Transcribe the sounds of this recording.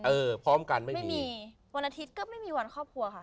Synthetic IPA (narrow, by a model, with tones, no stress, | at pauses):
ʔɤː˧pʰɾɔː˦˥˩mka˧nma˥˩ma˥˩jmːiː˧ | wa˧nʔa˧t̪ʰi˦˥t̪̚kɔː˥˩ma˥˩jmiː˧wa˧nkʰɔː˥˩p̚kʰu˧ɐkʰa˥˩ʔ